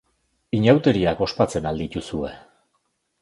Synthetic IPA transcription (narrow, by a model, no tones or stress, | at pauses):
iɲawt̪e̞ɾiako̞spat͡se̞nald̪it̪usue̞